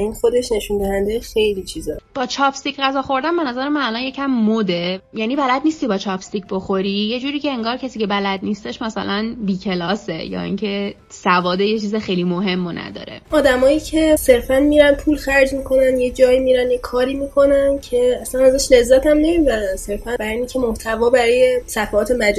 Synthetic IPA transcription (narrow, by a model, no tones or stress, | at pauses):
inxod̪e̞ʃne̞ʃund̪æhænd̪ejexe̞jlit͡ʃʰizɒb̥ɒːt͡ʃʰɒːpst̪icɣæzɒːxo̞ɾd̪ænbenɒzæɾemænælɒnje̞cʰæmːod̪e̞jæniːbælæd̪̚niːst̪ibɒːt͡ʃʰɒpst̪icʰbo̞xo̞ɾije̞d͡ʒuːɾiːcʰe̞eŋɡɒːɾcʰæsiːcʲʰe̞bælæd̪nist̪e̞ʃmæsæ̰lʔænbiːcʰe̞lɒːsejɒ̰ːḭŋcʰe̞ | sævɒːd̪ejet͡ʃʰiːzexejlimoɦe̞mːonʔæ̰d̪ɒ̰ːɾe̞̰ɒːd̪æmɒːiːcʰe̞se̞ɾfænmiːɾænpʰuːlxæɾd͡ʒmiːkʰo̞nænjed͡ʒɒːimiːɾænjekʰɒːɾimiːkʰo̞næncʰe̞æslænæzæʃle̞zːæt̪ʰæmne̞miːbæɾænse̞ɾfænbæɾiniŋcʰemoht̪ʰævɒːbæɾɒːje̞sæfæɒːt̪ʰemæd͡ʒ